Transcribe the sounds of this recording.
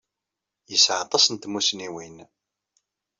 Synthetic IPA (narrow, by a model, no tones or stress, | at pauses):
jəsʕɑt̪ˤɑsənt̪musniwin